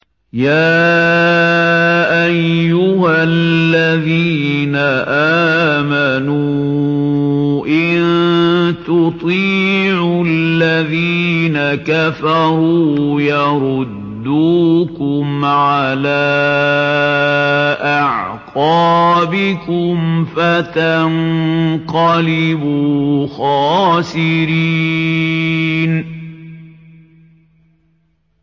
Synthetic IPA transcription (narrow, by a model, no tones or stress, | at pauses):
jaː | ʔajːʊhalllːaðiːnaʔaːmanuː | ʔɪnt̪ʊt̪ˤiːʕullːaðiːnakafɑɾˤuːjɑɾˤʊd̪ːuːkʊmʕalaː | ʔaʕqɑːbɪkʊmfat̪anqɑlɪbuːxaɑːsɪɾi | n